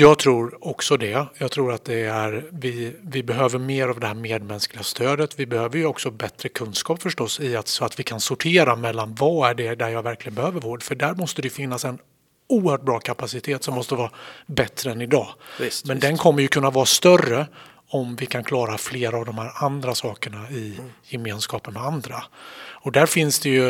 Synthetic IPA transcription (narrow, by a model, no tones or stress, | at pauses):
jɑːɡ̚t̪ʰɾuːɾɔksɔd̪ɛjɑːɡt̪ʰɾuːɾat̪̚d̪ɛæɾvɪvɪbɛɦøːvəɾmeːɾavd̪ɛhæːɾmeːd̪mɛnsklɪɡast̪ʰøːd̪ət̪vɪbɛhøːvəɾjɵɔksɔbɛt̪ɾəkʰɵnskɑːpfœʂʈɔsːɪat̪sɔat̪vɪkʰansʊʈʰeːɾamɛlːanvɑæɖɛd̪æɾjɑːɡvæɾklɪɡənbɛhøːvəɾvoːɖfœɖæɾmɔst̪əd̪ɛjɵfɪnːasɛn | uːəɾhœːʈ̚bɾɑːkʰapasɪt̪ʰeːt̪sɔmːɔst̪əvɑːɾabɛt̪ɾəɛnɪd̪ɑːmɛnd̪ɛnkʰɔmːəjɵkʰɵnːavɑːɾast̪œrə | ɔmvɪkʰankʰlɑːɾafleːɾaːvd̪ɔmhæːɾand̪ɾasɑːkəɳaɪjɛmeːnskɑːpənmɛand̪ɾaɔd̪æɾfɪnsd̪ɛjɵ